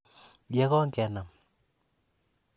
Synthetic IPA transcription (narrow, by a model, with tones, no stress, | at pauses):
jɛ˦kɔ˦ŋkɛ˨na˨m